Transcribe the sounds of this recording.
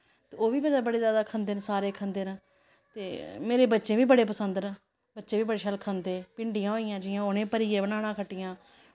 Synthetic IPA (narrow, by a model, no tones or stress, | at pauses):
t̪eːoːʋiːbəd͡ʒaːbəɽeːzjaːd̪aːkʰənd̪eːnsaːɾeːkʰənd̪eːnəː | t̪eːmeːɾeːbətːʃẽːʋiːbəɽeːpəsənd̪nə | bətːʃẽːʋiːbəɽeːʃəlkʰənd̪ẽːpɪɳɖijãːɦoːɪjãːd͡ʒɪjãːonẽːpəɾiːẽːbənaːɽ̃ãːkʰəʈːɪjãː